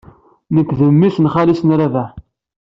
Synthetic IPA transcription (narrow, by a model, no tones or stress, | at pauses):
nəkʷːðəmːisnχalisnɾavæ